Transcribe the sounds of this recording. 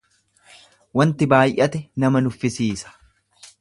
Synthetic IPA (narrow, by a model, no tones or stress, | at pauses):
wɐnt̪ɪbaːjʔɐt̪ɛnɐmɐnʊfːɪsiːsɐ̥